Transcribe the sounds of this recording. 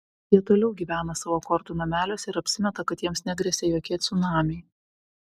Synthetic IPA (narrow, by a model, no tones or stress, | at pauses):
jiɛt̪oːlʲɛʊɡʲiːʋʲæːnɐsɑːʋoːkɔɾt̪uːnɐmʲæːlʲoːsʲɪɾɐpʲsʲɪmʲɛt̪ɐkɐt̪jiɛmsnʲɛɡɾʲɛsʲɛjoːkʲeːt̪ʲsʊnɑːmʲɛɪ